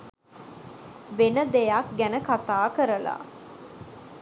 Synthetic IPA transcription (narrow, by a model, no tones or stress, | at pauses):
ʋenəd̪ejak̚ɡænəkat̪aːkəɾəla̰